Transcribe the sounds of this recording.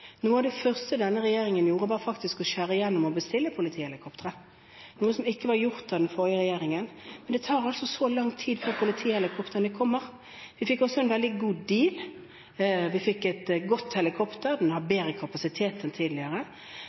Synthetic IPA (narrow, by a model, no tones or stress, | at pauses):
nuːəɑʋd̪ɛfœʁst̪əd̪ɛnːəʁɛjeːʁɪŋənjuːɾəbɑːʁəfɑkt̪ɪskɔʃæːɾəɪjɛnːɔmɔbəst̪ɪlːəpʰʊlɪt̪ʰiːhɛlɪkʰɔpt̪əɾə | nuːəsɔmɪkːəʋɑʁjʊʁt̪ɑd̪ɛnfɔʁjəʁɛjeːʁɪŋənmɛnd̪ɛt̪ʰɑːɾɑlsɔsolɑŋːt̪ʰiːd̪føːʁpʰʊlɪt̪ʰiːɛlɪkʰɔpt̪əʁənəkʰɔmːəʁ | ʋɪfɪkːɔsɔɛnʋɛld̪ɪɡuːd̪iːl | ʋɪfɪkːɛt̪ɡɔt̪ːhɛləkʰɔpt̪əʁd̪ɛnhɑbeːɾəkʰɑpɑsɪt̪ʰeːt̪ɛnt̪ʰiːd̪lɪəɾə